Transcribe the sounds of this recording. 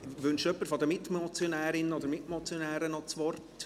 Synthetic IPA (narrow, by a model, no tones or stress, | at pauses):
ʋʏnʃœpːəɾfɔd̪əmɪtmɔt͡sjonæːɾɪnːəɔd̪əɾmɪtmɔt͡sjonæːɾənɔt͡sʋɔrt